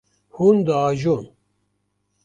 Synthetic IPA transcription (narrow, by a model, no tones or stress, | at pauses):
hund̪əaːʒon